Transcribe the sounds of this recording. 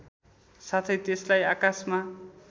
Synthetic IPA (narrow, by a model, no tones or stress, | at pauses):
sat̪ʰʌjt̪eslajakasma